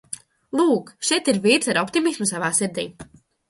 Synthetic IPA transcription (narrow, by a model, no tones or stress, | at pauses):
lˠuːkʃɛjt̪iɾviːɾt̪saɾɔpt̪imismusavaːsiɾd̪ḭː